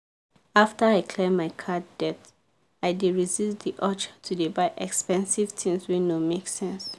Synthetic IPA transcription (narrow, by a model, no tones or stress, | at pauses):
aftəaɪkʰlɛmaɪkʰaddɛt | aɪdiɹizistðiʔɔt͡ʃtʰudebaɪʔɛkspɛ̃nsivtʰĩŋswinomeksɛ̃ns